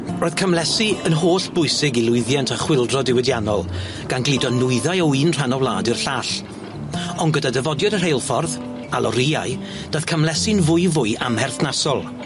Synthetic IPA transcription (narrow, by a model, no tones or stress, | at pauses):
roːjð̥kʰəmlɛsiənɦoːɬb̥ʊɨsɪɡilˠʊɨðjantʰaχwɪlˠdrɔdɪwɛdjanɔ̰lˠ | ɡ̥anɡlidɔnʊɨðajɔwiːnr̥anɔwlˠa̰ːdɨrɬaːɬ | ɔnɡədadəvɔdjɔdər̥ejlˠfɔrð | alˠʔɔ̰ɾia̰ɨ | d̥að̥kʰəmlɛsɨnvʊjvʊɨʔamhɛrθnasɔlˠ